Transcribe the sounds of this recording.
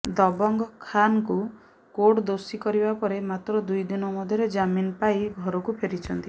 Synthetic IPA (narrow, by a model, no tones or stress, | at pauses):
d̪ɔbɔŋɡɔkʰanɔku | koʈd̪osikɔɾibapɔɾemat̪ɾɔd̪ujd̪inɔmɔd̪ʱjɔɾed͡ʒaminɔpaiɡʱɔɾɔkupʰeɾit͡ʃʰɔnt̪i